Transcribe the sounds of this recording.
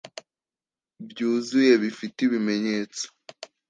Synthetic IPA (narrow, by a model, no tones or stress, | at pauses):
bjuːzuje̞βifitiβime̞ɲeːt͡so̥